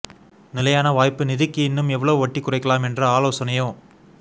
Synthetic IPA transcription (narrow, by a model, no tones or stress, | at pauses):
nɪlɐjaːnɐʋaːjpːɯnɪðɪkːɯɪnːɯmɛʋːɐɭɐʋɯʋɐʈːikːʊrɐɪkːɐlaːmɛndrɐaːloːsɐnɐjõː